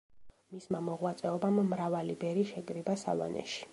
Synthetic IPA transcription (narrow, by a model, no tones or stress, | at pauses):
mismamɔʁwat̪sʼɛɔbamːɾavalibɛɾiʃɛɡɾibasa̰va̰nɛ̰ʃi̥